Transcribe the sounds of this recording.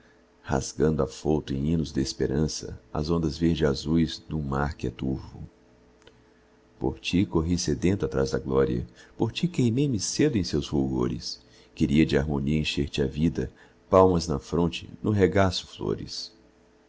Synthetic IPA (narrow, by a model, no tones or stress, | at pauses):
ha̰zɡɐ̃nd̪ʊafowt̪ʊẽj̃ĩnʊzd̪ɪːspeɾɐ̃sɐ̰ɐ̰zõnd̪ɐzveɾd͡ʒɪazujzd̪ʊmaɾkɪɛ̰t̪uɾvʊ | po̰ɾt͡ʃikoɦised̪ẽnt̪ʊat̪ɾazd̪ɐɡlɔɾiɐ̰poɾt͡ʃikejmejmɪsed̪ʊẽj̃sewshuɡo̰ɾɪ̰s | keɾiɐd͡ʒɪaɾmõniɐẽʃeɾt͡ʃɪavid̪ɐ | pawmɐznɐfɾõnt͡ʃɪ̥̰nʊɦeɡasʊ̥flo̰ɾɪ̰s